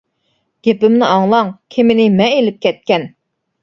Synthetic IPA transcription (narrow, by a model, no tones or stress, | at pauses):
ɡ̥ʲepɪmnɪʔɑŋlˠɑŋkʲʰemɪnɪmɛelɪp̚kʲʰɛt̪̚kʲɛn